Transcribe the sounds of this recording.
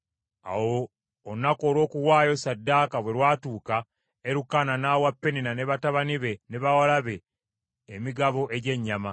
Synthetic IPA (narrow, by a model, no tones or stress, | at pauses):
a̰woː | nːako̞ːlwo̞ːkuwaːjo̞sadːaːkaβwe̞ɾwaːtuːka | eɾukananaːwapːe̞ninane̞βataβaniβe̞ne̞βawalaβeː | miɡaβo̞ʔe̞ɟe̞ɲːama